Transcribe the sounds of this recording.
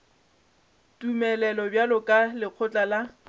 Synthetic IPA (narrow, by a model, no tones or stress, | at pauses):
tʼumɛlɛlɔbjalʊkʼalɪq͡χʰʊt͡ɬʼala